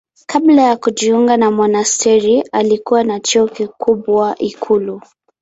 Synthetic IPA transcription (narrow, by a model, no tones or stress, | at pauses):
kablajakuʄiuŋɡanamɔnastɛɾialikuwanat͡ʃuɔkikubwaʔikʰulu